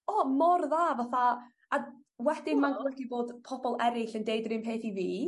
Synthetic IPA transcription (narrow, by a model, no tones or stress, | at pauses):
ɔmɔrðaːvaθa | a | wɛd̥ɪnmanɡlɔɡiboːd̥pʰɔbɔlˠɛɾɪɬəndejdrɪmpʰeːθiviː